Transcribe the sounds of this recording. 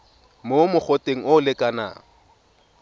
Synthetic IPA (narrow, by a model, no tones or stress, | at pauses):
momʊk͡xɔteŋ̩ʊʊlɪkʼana̰